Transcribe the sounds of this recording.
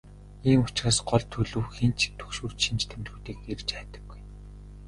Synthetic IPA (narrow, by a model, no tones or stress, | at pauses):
iːŋʊt͡ɕraːsɢɔɮt̪ʰɵɮŭːwxen̥t͡ɕt̪ʰɵ̥kʃuːr̥t͡ɕʃint͡ɕt̪ʰem̆ɮɣuːt̪iːkɡert͡ɕæːt̪ə̥̆ɡːuj